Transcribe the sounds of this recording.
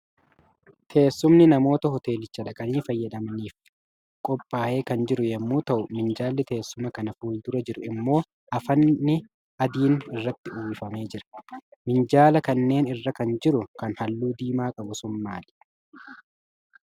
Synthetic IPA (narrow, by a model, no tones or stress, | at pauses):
t̪ʰe̞ːsːʊmnɪnɐmo̞ːt̪ɐɦɔt̪e̞ːlɪt͡ʃːɐᶑɐkʼɐniːfɐjːɐd̪ɐmɐniːf | kʼɔpʼːaːʔe̞ːkɐnd͡ʒɪɾʊjɐmːuːt̪ɐʔʊmɪnd͡ʒaːlːɪt̪e̞ːsːʊmɐkɐnɐfuːld̪ʊɾɐd͡ʒɪɾʊɪmːo̞ː | ʔɐfɐnːɪ | ɐd̪iːnɪrːɐt̪ːɪʊːɪfɐme̞ːd͡ʒɪɾɐ̥mɪnd͡ʒaːlɐkɐnːe̞ːnɪrːɐkɐnd͡ʒɪɾʊkɐnhɐlːuːd̪iːmaːkʼɐbʊsʊnmaːl